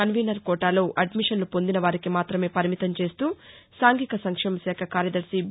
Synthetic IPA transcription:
ɐnʋiːnɐɾkɔːʈaːlo̞ːʔɐɖmiʂɐnlupond̪inɐʋaːɾikimaːt̪ɾɐme̞ːpɐɾimit̪ɐmt͡ʃe̞ːst̪uː | saːŋɡikɐsɐŋkʂɛːmɐsɛːkʰɐkaːɾjɐd̪ɐɾsi

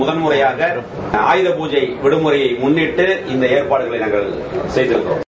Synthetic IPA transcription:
ʊðɐnmɯɾɐjaːɣɐ | a̰ːjðɐpuːd͡ʒɐɪʋɪɽɯmɯɾɐjɐɪmʊnːɪʈːɯɪnd̪ɐeːrpaːɽɯɣɐɭɐɪnaːŋɡɐɭ | sɛjðɪɾɯkːɯɾo̰ːm

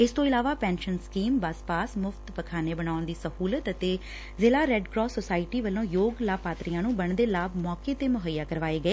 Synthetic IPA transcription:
ɪst̪õːɪlaːʋaːpɛ̃ːnʃənskiːmbaːspaːsmʊfʰt̪pəkʰaːneːbənaːʊɳd̪iːsəhuːlət̪ət̪eː | zeːlaːɾɛːɖkɾɔːsːosaːɪʈiːʋəlõːjoːɡlaːpaːt̪ɾijãːnũːbəɳd̪eːlaːbmɔːkeːt̪eːmʊɦəjːaːkəɾʋaːeːɡəeː

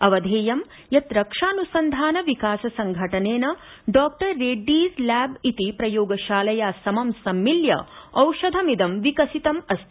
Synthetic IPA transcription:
ɐʋɐd̪ʱeːjɐm | jɐt̪ɾɐkʂaːnusɐnd̪ʱaːnɐʋikaːsɐsɐŋɡʱɐʈɐneːnɐ | ɖɔːk̚ʈɐɾːeːɖːiːslæːbit̪ipɾɐjoːɡɐʃaːlɐjaːsɐmɐmsɐmːiljɐ̰ɐwʃɐd̪ʱɐmid̪ɐmʋikɐsit̪ɐmɐst̪ʰ

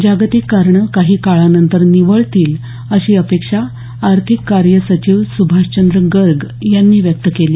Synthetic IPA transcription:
d͡ʑaɡt̪ikːaɾɳəkaɦiːkaɭanənt̪əɾniʋəɭt̪iːl | əɕiːəpekʂaː | ɾt̪ʰikːaɾjəsət͡ɕiːʋsubʱaʂt͡ɕənd̪ɾəɡəɾɡ | janːiːʋjək̚t̪əkeliː

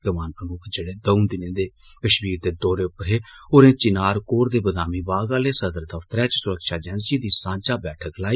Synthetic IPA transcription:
k̪əmaːnpɾəmʊkʰd͡ʒeːɽeːd̪əũnd̪ɪnẽːd̪eːkəʃmiːɾ̚d̪eːd̪ɔːɾeːʊpəɾɦeːoːɾẽːt͡ʃɪnaːɾkoːɾd̪eːbəd̪aːmiːbaːɡaːleːsəd̪əɾd̪əfʰt̪əɾɛ̃ːt͡ʃsʊɾəkʃaːd͡ʒɛnsiːd̪iːsãːd͡ʒaːbɛːʈʰəklaːiː

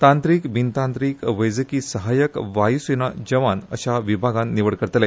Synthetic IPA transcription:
t̪ãnt̪ɾiːkbʱint̪ãnt̪ɾiːkʋəjd͡zəkiːsəɦajəkʋajsinad͡ʑəʋanə̰ɕaʋibʱaɡãnːiʋəɽkəɾt̪lɛ

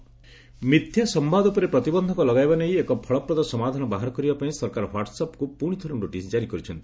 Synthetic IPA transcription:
mid̪ʰʱjasɔmbad̪upɔɾepɾɔt̪ibɔnd̪ʱɔkɔlɔɡajbanejekɔpʰɔɭɔpɾɔd̪ɔsɔmad̪ʱanɔbaɦaɾɔkɔɾibapaĩsɔɾkaɾɔɦwaɾʈsapɔkupuɽ̃it̪ʰɔɾuɖoʈisd͡ʒaɾikɔɾit͡ʃʰɔnt̪i̥

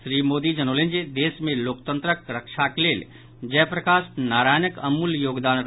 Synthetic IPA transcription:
sɾiːmoːd̪id͡ʒənoːlẽnd͡ʒed̪eːsmẽloːkt̪ə̃nt̪ɾəkɾəkʃʰakleːl | d͡ʒɛːpɾəkaːsnaːɾaːjnəkəmuljoːɡd̪aːnɾ

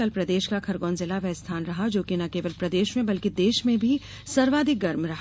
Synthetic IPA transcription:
ɐlpɾɐd̪eːʃkakʰɐɾɡɔ̃ːnzɪlaʋɛɦst̪ʰaːnɾɐɦad͡ʒoːkinɐkeːʋəlpɾɐd̪eːʃmẽbɐlkid̪eːʃmẽbʱi | sɐɾʋaːd̪ʱɪk̚ɡɐɾmɾɐɦa

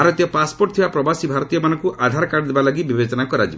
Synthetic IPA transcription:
aɾɔt̪ijɔpaspoɾʈ̚t̪ʰibapɾɔbasibʱaɾɔt̪ijɔmanɔ̃ŋkuʔad̪ʱaɾɔkaɽd̪ebalaɡibibet͡ʃɔnakɔɾad͡ʒi

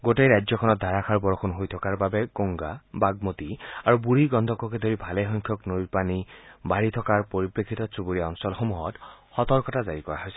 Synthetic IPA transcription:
ɡotejɹajzjɔkʰɔnɔt̚d̪ʱaɹakʰaɹbɔɹɔkʰunɦojtʰɔkaɹbabɛkoŋɡabaɡ̚motiaɹubuɹiɡɔndʱɔkːɔked̪ʱoɹibʱalɛxɔŋkʰjɔknojpanibaɹit̪ʰɔkaɹpoɹipɹekʰːitɔt͡subuɹiaɔnsɔlxomuɦɔtxɔt̪ɔɹkɔtazaɹikɔɹa̰ɦojsɛ

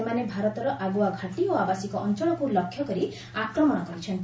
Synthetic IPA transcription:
manebʱaɾɔt̪ɔɾɔʔaɡuaɡʱaʈioabasikɔʔɔnt͡ʃɔɭɔpuɾlɔkʰːjɔkɔɾi | akɾɔmɔɽ̃ɔkɔɾit͡ʃʰɔnt̪

